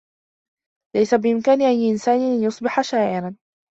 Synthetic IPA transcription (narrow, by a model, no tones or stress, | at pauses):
lajsabɪʔɪmkaːnɪʕajːʔɪnsaːnʔanjʊsˤbɪħaʃaːʔɪɾan